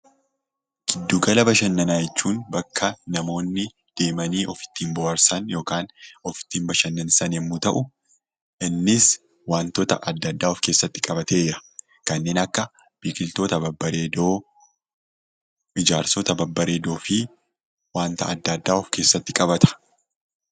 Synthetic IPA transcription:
ɡ̥ɪd̪ːuːɡɐlɐbɐʃɐnːɐnaːjɛt͡ʃːuːnbɐkːɐnɐmo̞ːnːɪ | d̪̥e̞ːmɐniːʔɔfɪ̥t̪ːiːmbɔɐɾsɐnjo̞ːkaːnɔfɪ̥t̪ːiːmbɐʃɐnːɐnɪsɐnɛmːuːt̪ɐʔʊ | ʔɪnːɪs | waːnt̪ɔːt̪ɐʔɐd̪ːɐd̪ːaːɔfke̞ːsːɐt̪ːɪ̥kʼɐbɐt̪e̞ɾɐ | kɐnːe̞ːnɐkːɐ | b̥iːkʼɪlt̪o̞ːt̪ɐbɐbːɐɾeːd̪oː | ʔɪd͡ʒaːɾsɔːt̪ɐbɐbːɐɾe̞ːd̪o̞ːfɪ | waːnt̪ɐ̰ɐd̪ːɐd̪ːaːɔfke̞ːsːɐt̪ːɪkʼɐbɐt̪ɐ̥

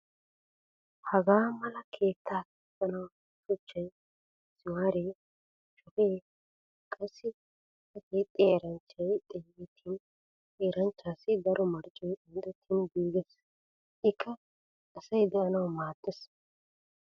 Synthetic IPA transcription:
hɐɡaːmɐlɐkʰe̞ːt̪ʰːaː | sʼɐnɐw | sʊt͡ʃːɐj | sɪwaːɾe | t͡ʃʼɔfeː | kʼɐsːɪ | ɐset̪ʼːeːɾɐnt͡ʃːɐjt̪ʼɛːɡɛt̪ʰːɪn | eːɾɐnt͡ʃːaːsɪd̪ɐɾʔɔmɐɾt͡ʃʼːɔjɪnd̪ɛt̪ʰːɪnɡiːɡɛs | ʔɪkʰːɐ | ɐsɐjd̪ɛʔɐnɐwmaːt̪ʼːɛs

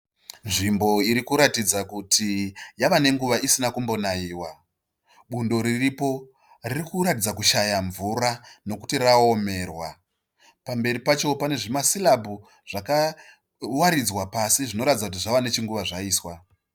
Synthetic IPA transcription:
nʐimbo̞iɾikuɾatid͡zakutʰijaʋane̞ŋɡuʋaʔisinakumbo̞naiːwa | ɓundo̞ɾiripo̞ | ririkuɾatid͡zakuʃajaɱvurano̞ku̥tirao̞me̞rwa | pambe̞ɾipat͡ʃo̞pane̞ʐimasilabʱu | ʐ̥aka | waɾid͡zwapasiʐino̞ɾatid͡zakutiʐaʋane̞t͡ʃiŋɡuʋaʐaiːswa

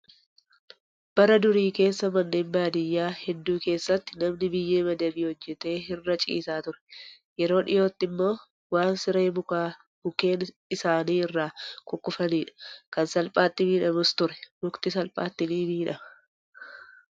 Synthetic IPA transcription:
b̥ɐɾɐd̪ʊɾiːke̞ːsːɐmɐnːe̞ːmbaːd̪ɪjːaːhɛd̪ːuːke̞ːsːɐt̪ːɪ̥nɐmnɪbɪjːe̞ːmɐd̪ɐmiːhɔd͡ʒːɛt̪e̞ːɦɪrːɐt͡ʃʼḭːsaːt̪ʊɾɛ̥ | jɛɾo̞ːᶑɪ̰jo̞ːt̪ːɪmːo̞ː | waːnsɪɾe̞ːmʊkaː | mʊke̞ːn | ɪsaːniːɪrːaːkʊkʼːʊfɐniːᶑɐ̥kɐnsɐlpʼaːt̪ːɪmiːᶑɐmʊst̪ʊɾɛ̥mʊkt̪ɪsɐlpʼa̰ːt̪ːɪniːbiːᶑɐmɐ̥

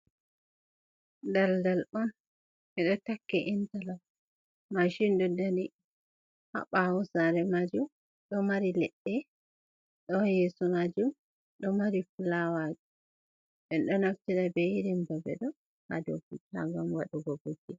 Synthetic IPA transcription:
daldalɔn | ʔɛɗɔtakːɛʔintalam | maʃinɗudani | ha̰ɓawɔsaɾɛmad͡ʒum | ɗɔmaɾilɛɗːɛ | ɗɔjɛsumad͡ʒum | ɗɔmaɾifulawad͡ʒu | ʔɛnɗɔnaftiɗabɛjiɾimbɛbɛ̰ɗɔ | ha̰do̰fita̰ŋɡamwaɗuɡɔbod͡ʒi

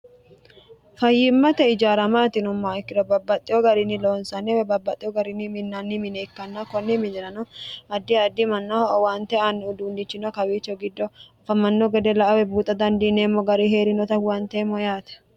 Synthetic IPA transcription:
fɐjːɪmːɐt̪ɛɪd͡ʒaːɾɐmaːt̪ɪnʊmːaːɪkːɪd̪ɔbɐbːɐt̪ʼːɪjɔɡɐɾɪnːɪloːnsɐnɛwɛbɐbːɐt̪ʼːɪjɔɡɐɾɪnɪmɪnːɐnːimɪneːkːɐnːɐkɔnːɪmɪnɪɾɐnɔɐd̪ːɪɐd̪ːɪmɐnːɐɔʔɔwaːnt̪ɛanːʊd̪uːnd̪ɪt͡ʃːɪnɔkɐwiːt͡ʃːɔɡɪd̪ːɔɐfɐmɐnːɔɡɛd̪ɛlɐʔɐwɛbuːt̪ʼːɐd̪ɐnd̪ineːmːɔɡɐɾiheːɾɪnɔt̪ɐwɐnt̪eːmːɔjaːt̪ɛ̥

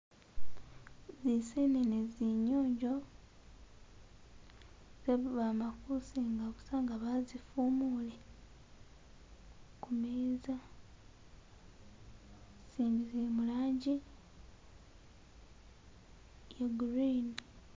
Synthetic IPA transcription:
ziseneneziɲoːɲɟo̞ | z̥eββamakusiŋɡaβusaŋɡaβazifumule | kumiza | siːmbizemulaːɲɟi | jeɡuɾin

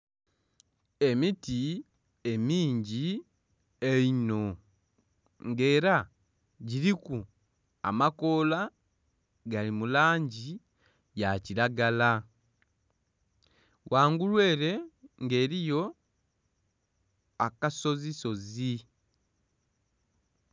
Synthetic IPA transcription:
e̞miti | emiːɲɟi | eino̞ | ŋɡe̞ːɾa | ɟiɾiku | a̰mako̞ːla | ɡalimulaːɲɟi | jaciɾaɡala | wʔaːŋɡulwe̞ːɾe̞ŋɡe̞ːɾijo̞ | akaso̞ziso̞zi

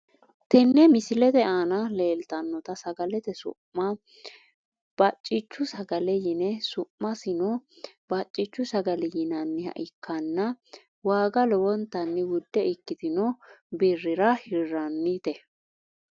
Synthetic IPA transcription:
t̪ɛnːɛmɪsɪlɛt̪ɛaːnɐleːlt̪ɐnːɔt̪ɐsɐɡɐlɛt̪ɛsʊ̰pːɐ | b̥ɐt͡ʃʼːɪt͡ʃːʊsɐɡɐlɛjɪnɛsʊpmɐsɪnɔbɐt͡ʃʼːɪt͡ʃːʊsɐɡɐlɛjɪnɐnːɪhɐ̰ʔɪkʰːɐnːɐ | waːɡɐlɔwɔnt̪ːɐnːɪwʊd̪ːɛɪkːɪt̪ɪnɔbɪrːɪɾɐhɪrːɐnːit̪ɛ

